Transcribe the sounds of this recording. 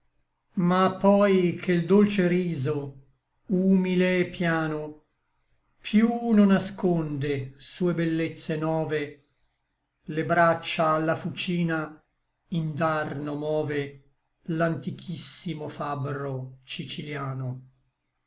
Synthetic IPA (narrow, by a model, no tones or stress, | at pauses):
mapːɔjkʰeld̪olt͡ʃeɾiːzo | uːmileːpːjaːno | pʰjunonaskond̪esuːebelːet̪sːenɔːve | lebɾat͡ʃːaːlːafut͡ʃiːna | ind̪arnomɔːve | lant̪ikʰisːimofabɾot͡ʃit͡ʃiljaːno